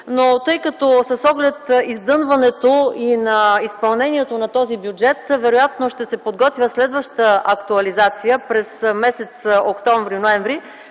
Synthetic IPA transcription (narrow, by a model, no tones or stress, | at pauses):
not̪ɤjkɐt̪ɔsɐsɔɡlɛt̪izd̪ɤnvɐnɛt̪oinɐispɐlˠnɛnʲiɛt̪onɐt̪ɔzibjud͡ʒɛt̪vɛɾojat̪noʃt̪ɛsɛpod̪ɡɔt̪vʲjəslɛd̪vəʃt̪əɐkt̪uɐlizat̪sijəpɾɛsmɛsɛt̪sokt̪ɔɱvɾinoɛɱvɾi